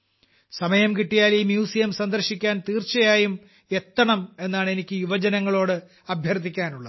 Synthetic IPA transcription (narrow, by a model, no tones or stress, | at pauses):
sɐmɐjɐmkiʈːijaːlimjuːsijɐmsɐnd̪ɐrɕikʲːaːnt̪iːrt͡ɕːɐjaːjum | e̞t̪ːɐɳɐme̞nːaːɳe̞nikʲːɨjuʋɐd͡ʑɐnɐŋːɐɭo̞ːɽɨ | ɐbʱjɐrt̪ikʲːaːnuɭːɐ